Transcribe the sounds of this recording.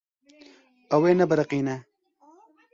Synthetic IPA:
ɐweːnɐbɐɾɐqiːne

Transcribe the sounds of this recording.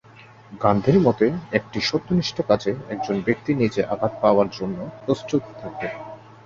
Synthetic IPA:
ɡand̪ʱeɾmɔt̪eek̚ʈiʃot̪ːoniʃʈʰokat͡ɕeɛk̚d͡ʑonbek̚t̪inid͡ʑeʔabʱat̪̚paoaɾd͡ʑonːopɾost̪ut̪t̪ʰak̚e

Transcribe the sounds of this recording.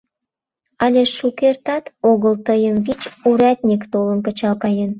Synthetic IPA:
ɑlʲeʃukert̪ɑt̪oɣəlt̪əjəmvit͡ɕuɾæt̪̚ʲnʲikt̪oləmkə̆t͡ɕɑlkɑjen

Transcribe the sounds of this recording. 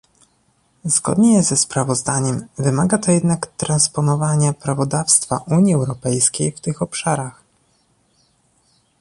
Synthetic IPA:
zɡɔ̰d̪ɲɛzɛspɾavɔzd̪aɲɛmvɘmaɡat̪ɔjɛd̪nakt̪ɾanspɔnɔvaɲapɾavɔd̪afst̪faʔuɲiɛwɾɔpɛjskʲejft̪ɘxɔpʂaɾax

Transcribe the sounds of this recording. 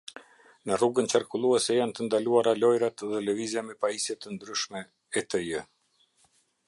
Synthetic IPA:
nəruɡənt͡ʃaɾkulˠuɛsɛjant̪ənd̪aluaɾalɔjɾat̪ðɛlɛvizjamɛpajisjɛt̪ənd̪ɾyʃmɛ | ɛt̪əjə

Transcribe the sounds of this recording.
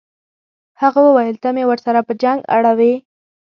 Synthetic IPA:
haɣawəwajəlt̪amewəɾsaɾapəd͡ʒaŋɡa̰ɽawe

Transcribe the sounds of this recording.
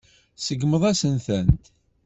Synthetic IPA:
səɡməðˤæsənθənt̪

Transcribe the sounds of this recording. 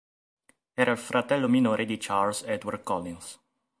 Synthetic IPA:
ɛːɾailfɾat̪ɛlːominoːɾʔed̪it͡ʃalsɛd̪warkɔlːins

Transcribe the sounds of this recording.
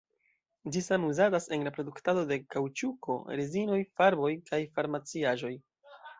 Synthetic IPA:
d͡ʒisamuzadase̞nlapɾo̞duktado̞de̞kawt͡ʃuko̞̰ɾezino̞jfaɾbo̞jkʰajfaɾmat͡siaʒo̞j

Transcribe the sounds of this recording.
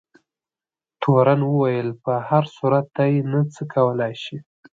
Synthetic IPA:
t̪ʰoɾanwəwajəlpəhaɾsuɾat̪̚d̪ajenat͡səkʰawəlɑjʃi

